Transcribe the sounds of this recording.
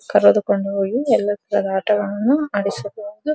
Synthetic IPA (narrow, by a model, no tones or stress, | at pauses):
kɐɾɐd̪ukoɳɖɐoːjiɛlːɐt̪ɐɾɐd̪aːʈɐʋɐɭɐnːuɐɽisɐbod̪u